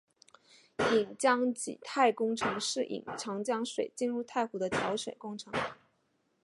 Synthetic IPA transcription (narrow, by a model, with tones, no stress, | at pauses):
i˨˩ŋt͡ɕjɑ˥ŋt͡ɕḭ˨˩t̪ʰa˥˩ɪkʊ˥ŋʈ͡ʂʰɤ˧˥ŋʂɻ̩˥˩ʔḭ˨˩ŋʈ͡ʂʰɑ˧˥ŋt͡ɕjɑ˥ŋʂwe˨˩ɪt͡ɕi˥˧nɻu˥˧t̪ʰa˥˩ɪxu˧˥d̪ə˧t͡ɕʰjɑ˧˥ʊɕɥɛ̰˨˩nkʊ˥˧ŋʈ͡ʂʰɤ˧˥ŋ